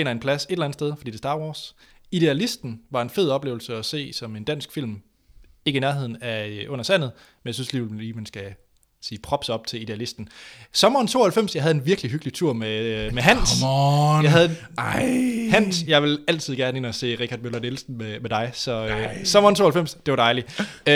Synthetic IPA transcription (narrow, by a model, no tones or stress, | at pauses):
enɐenpʰlæsedelˠæn̩sd̥eð̞ˠfd̥ḭːd̥e̝sd̥ɑ̈ːwɒːs | id̥e̝ælisd̥n̩ʋɑ̈e̝nfe̝ð̰ˠɒ̽b̥le̝ːʊl̩səɒse̝̰ːsɒ̽me̝nd̥æn̰sɡ̥fil̰m | e̝ɡəinæɐɦe̝ð̞̰ˠn̩æøʔɔ̽n̰ɐsæn̰ð̩ˠ | menjɑsynsliːeiːmænsɡ̥æ | siːpʰʁɒ̽b̥sɑ̽b̥̚t͡sʰe̝lid̥e̝ælisd̥n̩sɒ̽mɐːnt͡sʰo̝ːɐhælfem̰sjɑ̈ɦæðˠdenʋiɐɡ̥liɦyɡ̥lit͡sʰuɐ̰memeɦæn̰sjɑ̈ɪæðˠ | hæn̰sjɑ̈ɪʋe̝læl̰t͡sʰiðˠɡ̥æɐnəe̝nɐse̝̰ːʁiɡʰkʰæɐd̥̚mølɐdelsn̩memed̥ɑ̈ɪsɒ̽øsɒ̽mɐnt͡sʰo̝ːhælfem̰sd̥e̝ʋɑ̈ɾ̥ɑ̈ɪli